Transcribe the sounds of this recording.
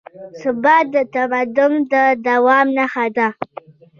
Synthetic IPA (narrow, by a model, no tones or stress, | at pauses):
sʊbad̪atabadʊmdadawaːmnaxada